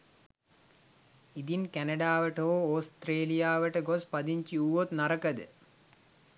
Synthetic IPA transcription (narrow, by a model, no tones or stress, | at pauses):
id̪inkænɐɖaːʋəʈəoːoːst̪ɾeːlijaːʋəʈəɡospad̪iɲt͡ʃiuʋot̪naɾəkəd̪ə̰